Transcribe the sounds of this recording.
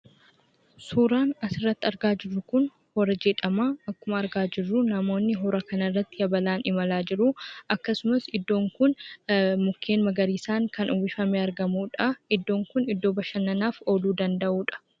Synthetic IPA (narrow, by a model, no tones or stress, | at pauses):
suːɾaːnɐsɪrːɐt̪ːɪɐɾɡaːd͡ʒɪrːʊkʊn | hɔɾɐd͡ʒɛᶑɐmaːɐkːʊmɐːɾɡaːd͡ʒɪrːʊnɐmo̞ːnːɪɦɔɾɐkɐnɐrːɐt̪ːɪjɐbɐlaːnɪmɐlaːd͡ʒɪɾʊʔɐkːɐsʊmɐsɪd̪ːo̞ːŋkʊnmʊkʰːe̞ːnmɐɡɐɾiːsaːŋkɐnʔʊwɪfɐmeːɐɾɡɐmuːᶑɐɪd̪ːo̞ːŋkʊnɪd̪ːo̞ːbɐʃɐnːɐnaːfo̞ːluːd̪ɐnd̪ɐʔuːᶑɐ̥